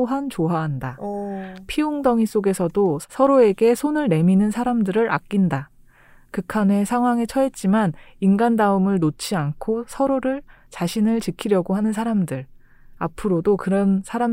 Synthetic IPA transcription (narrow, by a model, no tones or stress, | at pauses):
ɦant͡ɕoɦaɦanda | pʰioŋdʌŋis͈oɡe̞sʰʌdosʰʌɾoe̞ɡe̞sʰonɯɭne̞minɯnsʰaɾamdɯɾɯɾa̰k̚k͈inda | kɯkʰame̞sʰaŋɦwaŋet͡ɕʰʌɦe̞t̚t͡ɕ͈imaninɡandaɯmɯɭnot͡ɕʰiankʰosʰʌɾoɾɯɭt͡ɕaɕʰinɯɭt͡ɕikʰiɾjʌɡoɦanɯns̬ʰaɾamdɯɾ | apʰɯɾodokɯɾʌnsʰaɾa